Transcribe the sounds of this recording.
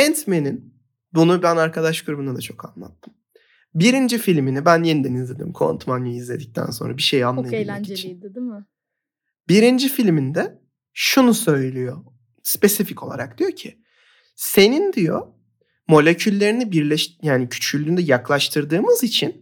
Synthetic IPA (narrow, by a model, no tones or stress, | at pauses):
ɛnt̪me̞nin | bunubænaɾkʰad̪aʃɡɯɾbunad̪at͡ʃʰo̞kʰanlˠa̰t̪ʰːɯm | biɾind͡ʒifilʲminibænjenid̪ɛnizlʲed̪ḭmkʰo̞̰nt̪ʰmanjuizlʲe̞d̪ic̚t̪ʰæ̰nso̞nɾabiʃejanˠajalanit͡ʃʰind̪id̪m | biɾind͡ʒifilʲmind̪ɛ | ʃunusø̞jlʲijo | spe̞sificʰo̞lˠa̰ɾak̚d̪̥ijocʰi | se̞nind̪ijo̞̰ | mo̞lʲe̞cʰylʲːe̞ɾinibiɾlʲɛʃjaːnicʰy̥t͡ʃylʲynd̪ɛjaklˠaʃt̪ʰɯɾd̪ɯːmɯzit͡ʃʰin